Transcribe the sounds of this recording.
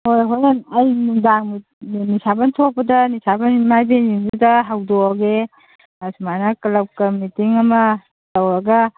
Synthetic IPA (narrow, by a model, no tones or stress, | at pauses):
hojɦɔjnanajnuŋdaŋm | nisabantʰɔk̚pɐdɐnisabanmajbeniŋdudɐɦawdoɡe | asumanɐkɐlap̚kɐmitiŋɐmɐ | lawɾɐɡɐ